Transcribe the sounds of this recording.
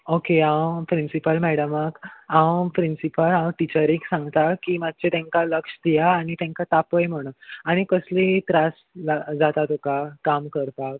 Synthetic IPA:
okeãwpɾinsipəlmɛɽəməkãwpɾinsipəlãwʈit͡ɕəɾiksãŋɡt̪akimat̪̚ːt͡ɕet̪ẽŋkaləkʂd̪ijaːɽ̃it̪ẽŋkat̪apəjm̤əɽ̃əaɽ̃ikəslĩt̪ɾas | lad͡zat̪at̪okakamkəɾp̪ak

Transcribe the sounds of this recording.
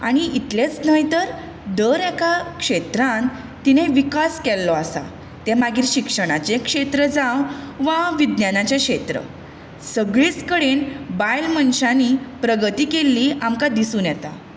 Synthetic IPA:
a̰ɽ̃iit̪let͡snəjt̪əɾ | d̪əɾɛkakʂet̪ɾãn | t̪ineʋikaskɛlːɔasa̰ | t̪emaɡiːɾɕikʂəɽ̃at͡ɕekʂet̪ɾəd͡zawʋaʋid̪njanat͡ɕeʂet̪ɾə̰ | səɡɭit͡skəɽeːnbajlmənɕanipɾəɡət̪iːkelːiːamkad̪isuːnjɛt̪a̰

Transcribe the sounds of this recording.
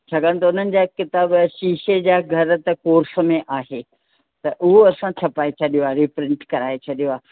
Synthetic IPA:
t͡ɕʰaɡãnt̪ɐʊn̤ənɪ̆d͡ʑaːkɪt̪aːbʃiːʃed͡ʑaːɡʱɐɾt̪ɐkoːɾsə̆mẽʔaːɦeː | t̪ɐʔʊɦoɐsãt͡ɕʰɐpaːet͡ɕʰɐɗijoaːɾipɾɪ̃ɳʈkɐɾaːet͡ɕʰɐɗijoaː

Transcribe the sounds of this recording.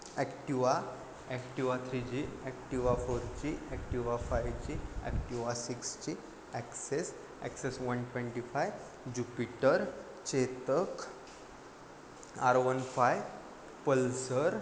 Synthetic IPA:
ɛkʈiʋa | ɛkʈiʋat̪ʰɾid͡ʑiɛkʈiʋafoɾt͡ɕiɛkʈiʋafajt͡ɕiɛ̰kʈiʋasikst͡ɕi | ɛkses | ɛ̰ksesʋənʈʋeɳʈifaj | d͡ʑupiʈəɾ | t͡ɕet̪ək | aɾʋənfaj | pəlsəɾ

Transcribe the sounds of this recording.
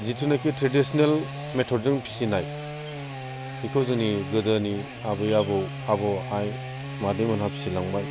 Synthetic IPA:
zitʰinakitɾedisɔnel | metʰɔɾzɯŋpʰi̥sinaj | hikʰɔzɯniɡɯdani | abɯjabɯw | abɔaj | madejmɯnɦapʰi̥silaŋbaj

